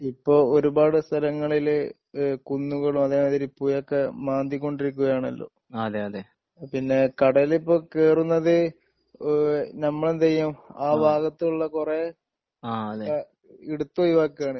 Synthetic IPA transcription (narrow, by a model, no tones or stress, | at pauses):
ipːo̞ːoɾubaːɽɨst̪ʰɐlɐŋːɐɭil | kunːuɣɐɭumɐðeːmaːðiɾipːuːjokːe̞maːnd̪ikʲːo̞ɳɖiɾik̬ʲːuɣɐjaːɳɐ̰lːo̞̰ː | ɐðeɐðe | pinːe̞kɐɽɐjilipːo̞ːkeːrunːɐðɨ | nɐmːɐɭend̪ɐjːɐmaːbaːɣɐt̪ːiuɭːɐkure | aɐðe | iɽut̪ːuɐjuʋaːkːejaːɳɨ